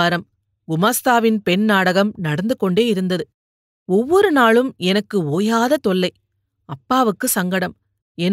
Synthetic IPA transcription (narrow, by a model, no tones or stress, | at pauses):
ɾɐm | ɡʊmaːst̪aːʋɪnpɛɳnaːɽɐɣɐmnɐɽɐnd̪ɯkːɔɳɖeːɪɾɯnd̪ɐðɯ | ɔʋːɔɾɯnaːɭɯmɛnɐkːɯoːjaːðɐt̪ɔɭːɐɪ | ɐpːaːʋɯkːɯsɐŋɡɐɽɐm | ɛn